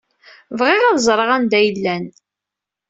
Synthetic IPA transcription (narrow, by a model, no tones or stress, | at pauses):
vʁɪʁaðzˤɾˤəʁænd̪æjəlːæn